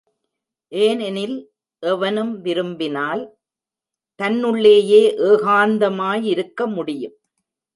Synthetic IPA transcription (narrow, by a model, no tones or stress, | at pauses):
ʔeːnɛnɪl | ʔɛʋɐnɯmʋɪɾɯmbɪnaːl | t̪ɐnːɯɭːeːjeːʔeːɣaːnd̪ɐmaːjɪɾɯkːɐmʊɽɪjɯm